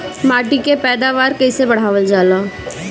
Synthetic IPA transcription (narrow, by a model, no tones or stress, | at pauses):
maːʈikepɛːd̪aʋaːɾkɛsebɐɽ̤aːʋəld͡ʒaːlaː